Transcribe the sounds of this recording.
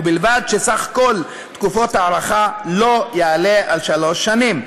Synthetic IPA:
bilvad̪ʃesaχkol | t̪kufot̪aːɾaχalojaalealʃalo̞ʃːanim

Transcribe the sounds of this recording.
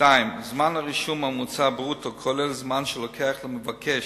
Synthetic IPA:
aɪmzmanaʁiʃumamut͡sabʁutʰokʰɔlɛlzmanʃəlɔkʰɛaχləməvakʰɛʃ

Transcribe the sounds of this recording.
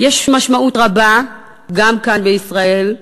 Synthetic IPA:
jeʃmaʃmautʁaba | ɡamkanbeisʁae̞l

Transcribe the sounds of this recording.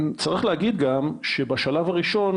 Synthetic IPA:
mt͡saʁiχlehaɡid̪ɡamʃebaʃalavaʁiʃo̞n

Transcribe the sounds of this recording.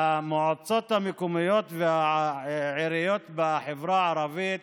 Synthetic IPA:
amoʕot͡sot̪hamekomijo̞t̪vea | ʕiɾijo̞t̪beaħevɾaʕaɾavit̪̚

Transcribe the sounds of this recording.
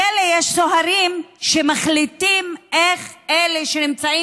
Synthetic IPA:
elejeʃsoɦaɾimʃemaχlit̪imʔeχeleʃenimt͡sai

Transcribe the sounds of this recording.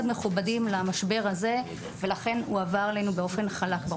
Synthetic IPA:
d̪me̞χubadimlamaʃbe̞ʁhaze̞ | ve̞laχe̞nuavaʁlenubeo̞fe̞nχalakb

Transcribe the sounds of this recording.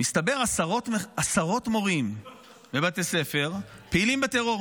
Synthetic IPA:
mist̪abeʁasaʁo̞t̪masaʁo̞t̪mo̞ʁimː | ebat̪ese̞fe̞ʁpeilimbet̪eʁo̞

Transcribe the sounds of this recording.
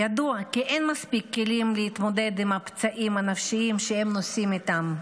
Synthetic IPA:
jad̪uakiʔenmaspikːelimlehit̪mo̞d̪e̞d̪imapt͡saʔimanafʃiimʃehemnosimit̪am

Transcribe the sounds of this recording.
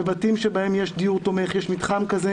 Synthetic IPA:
evatimʃebaemjeʃd̪iuʁt̪o̞meχjeʃmit̪χamkaze

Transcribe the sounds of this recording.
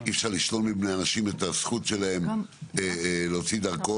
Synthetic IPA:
iefʃaʁliʃlo̞lmibneanaʃimetasχutʃe̞lae̞meleot͡sid̪aʁko

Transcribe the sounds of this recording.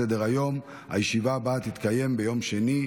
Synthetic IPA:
ed̪eʁajo̞m | ha̰jeʃivabaːt̪it̪kaje̞mbe̞jo̞mʃe̞ni

